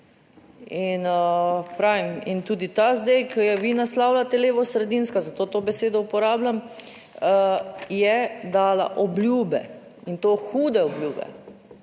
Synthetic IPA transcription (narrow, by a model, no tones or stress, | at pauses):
inpɾaːʋimint̪uːd̪it̪azd̪ejkʰəjɛʋinaslaːwlat̪ɛleːʋɔsɾɛd̪inskazat̪oːt̪oːbɛseːd̪ɔupɔɾaːblam | jɛd̪aːla̰ʔɔblʲjuːbɛ̰ | int̪oːxuːd̪ɛɔblʲjuːbɛ̰